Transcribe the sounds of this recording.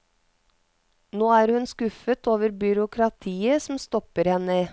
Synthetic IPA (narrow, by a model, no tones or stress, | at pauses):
noːæːɾhʉnskʉfət̪ʰoːʋəɾbʏɾʊkʰɾɑt̪ʰiːəsm̩st̪ɔpəɾhɛnə